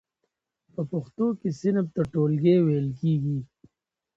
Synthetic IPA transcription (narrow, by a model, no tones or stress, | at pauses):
pəpʊxt̪okesɪnəb̚t̪aʈoːlɡeːwejlkiːɡi